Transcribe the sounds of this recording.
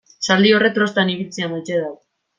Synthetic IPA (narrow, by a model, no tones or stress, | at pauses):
sald̪io̞ret̪ɾo̞st̪aniβilt͡siamajt͡seða